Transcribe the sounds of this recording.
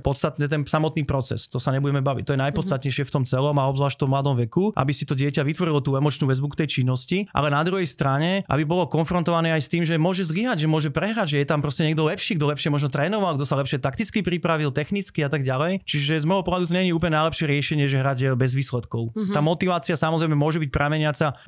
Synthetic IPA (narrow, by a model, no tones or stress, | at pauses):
pɔt̪st̪at̪nɛt̪̬ɛnsamɔt̪niːpɾɔt͡sɛ̰st̪ɔsaɲɛbuɟɛmɛbaʋict̪ɔjɛnajpɔt̪st̪at̪ɲɛjʃɪɛft̪ɔmt͡sɛlɔmaɔbzlaːʃt̪ɔmlad̪ɔmʋɛkuʔa̰bisit̪ɔɟɪɛcaʋit̪ʋɔɾilɔt̪uːɛmɔt͡ʃnuʋɛzbukt̪ɛjt͡ʃinːɔsciʔa̰lɛnad̪ɾuɦɛjst̪ɾaɲɛʔa̰bibɔlɔkɔnfɾɔnt̪ɔʋanɛːajst̪iːmʒɛmʊɔʒɛzliɦaɟʒɛmʊɔʒɛpɾɛɦɾaʒɛjɛt̪ampɾɔscɛɲɛɡd̪ɔlɛpʃiːɡd̪ɔlɛpʃɛmɔʒnɔt̪ɾɛːnɔʋalɡd̪ɔsalɛpʃɪɛt̪akt̪it͡skipɾipɾaʋilt̪ɛxnit͡skiat̪aɡɟalɛjt͡ʃiʒɛzmɛɦɔpɔɦad̪ut̪ɔɲɛɲiuːp̬lɲɛnajlɛpʃɪɛɾɪɛʃɛɲɪɛʒɛɦɾaɟbɛzʋiːslɛt̪kɔʊaːmɔt̪iʋaːt͡siasamɔzɾɛjmɛmʊɔʒɛbic̚pɾamɛɲɪat͡sa